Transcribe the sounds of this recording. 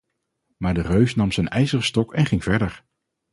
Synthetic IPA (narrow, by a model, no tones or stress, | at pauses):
maːɹdərøɥsnɑmzɛjnɛjzərəstɔkɛnχɪŋv̥ɛɹdəɹ